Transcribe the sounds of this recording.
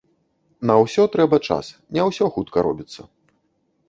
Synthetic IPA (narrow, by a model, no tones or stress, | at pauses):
nɐwsʲɔt̪ɾɛbɐt͡ʂa̰snʲɛwsʲɔxut̪kɐɾɔ̰bʲit̪sːɐ